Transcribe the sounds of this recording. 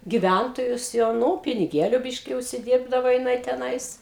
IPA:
ɡʲɪˈʋʲæntoːjʊs jɛʊ ˈnʊ pʲɪnʲɪˈɡʲeːlʲʊ ˈbʲɪʃʲkʲɪ ʊʃʲsʲɪˈdʲiːrbdɐʋoː jɪˈnɐɪ tʲɛˈnɐɪs

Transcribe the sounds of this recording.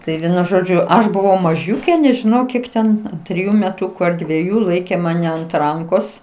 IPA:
ˈtɐɪ ˈʋʲiɛnʊ ˈʒoːd͡ʒʲʊ ˈɐʃ bʊˈʋɐʊ mɐˈʒʲuːkʲeː nʲɛʒʲɪˈnɐʊ ˈkʲiɛk tʲɛn tʲrʲɪˈjʊ mʲɛˈtʊkʊ ɐr dʲʋʲiɛˈjuː ˈlˠɐɪkʲeː mɐˈnʲɛ ɐnt ˈrɐŋkoːs

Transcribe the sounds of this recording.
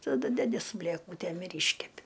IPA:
tɐˈdʊ ˈdʲæːdʲɪ sʊ bʲlʲeːˈkuːtʲeːm ɪr ˈiːʃʲkʲɛpʲɪ

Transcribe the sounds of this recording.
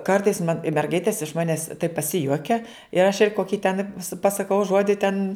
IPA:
ˈkɐrtɐɪs mɐn ɪ mʲɛrˈɡɐɪtʲeːs ɪʃ ˈmɑːnʲɛs tɐɪp pɐˈsʲɪjuɔkʲɛ ɪr ɐʃ ɪr ˈkoːkʲɪ tʲɛn pɐsɐˈkɐʊ ˈʒuɔdʲɪ tʲɛn

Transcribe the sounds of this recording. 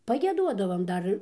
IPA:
pɐɡʲiɛˈduɔdɐʋɐm ˈdɐr

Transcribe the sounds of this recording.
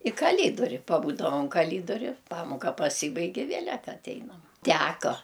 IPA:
ɪ kɐˈlʲiːdoːrʲɪ pɐˈbuːdɐʋɐm kɐˈlʲiːdoːrʲɪ ˈpɑːmoːkɐ pɐˈsʲiːbɐɪkʲ ɪ ˈʋʲeːlʲɛt ɐˈtʲɛɪnɐm ˈtʲæːkoː

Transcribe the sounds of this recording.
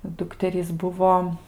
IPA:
ˈdʊktʲɛrʲiːs ˈbʊʋoː

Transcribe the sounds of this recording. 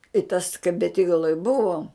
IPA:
ɪ tɐs kɐɪ bʲɛˈtʲiːɡɐlˠoːj ˈbʊʋoːm

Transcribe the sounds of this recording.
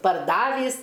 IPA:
pɐrˈdɑːʋʲiːs

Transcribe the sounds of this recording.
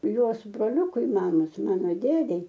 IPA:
ˈjuɔs broːˈlʲuːkʊɪ ˈmɑːmoːs ˈmɑːnoː ˈdʲeːdʲɛɪ

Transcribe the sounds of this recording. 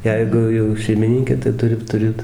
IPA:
ˈjɛɪɡʊ jɛʊ ʃʲɛɪmʲɪˈnʲɪŋʲkʲeː tɐɪ ˈtʊrʲɪ tʊˈrʲeːt

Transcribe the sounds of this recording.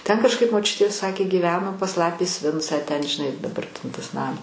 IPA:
tʲɛn kɐʃˈkɐɪp moːˈt͡ʃʲʊtʲeː ˈsɑːkʲeː ɡʲiːˈʋʲæːnoː pɐs ˈlˠɑːpʲeːs ˈʋʲɪnt͡sɑː tʲɛn ʒʲɪˈnɐɪ dɐˈbɐr tʲɛn tɐs ˈnɐm

